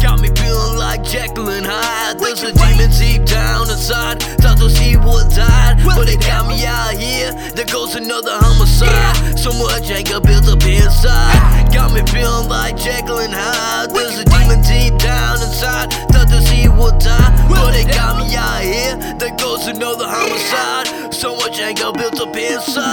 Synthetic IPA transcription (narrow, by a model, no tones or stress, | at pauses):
ɡ̥ɑ̰t̚mifilˠɪ̃ŋlaɪk̚d̥ʒ̥æklɪ̃nhaɪ | ðə˞zɨdĩmɨ̃ntʰip̚d̥ãʊ̃nɨ̃nsaɪd̚tʰʌtəsiwʌ̃ntʰaɪd̚b̥ʌɾɨt̚ɡ̥ɑt̚miahiɹ | ðɨt̚ɡ̥oʊz̥tʰɨnʌðə˞hʌ̃məsaɪd̥̚soʊmʌd͡ʒæ̃ŋɡəbɪlˠdzəpʰɪ̃nsaɪd̚ɡ̥ɑt̚mifɪlˠmlaɪk̚d̥ʒ̥ɛɡl̩ˠɪ̃nha | ðɪzɨdimɨ̃ntʰip̚d̥ãʊ̃nɨ̃nsaɪd̚tʰʌtɨsiwʊd̚tʰaɪb̥ʌɾɨt̚ɡ̥ɑtmijahiɹ | ðɨt̚ɡ̥oʊz̥tʰɨnoʊðəhõməsaɪd̥̚ | soʊmʌt͡ʃæ̃ŋɡəbɪlˠtʌpʰɪ̃nsa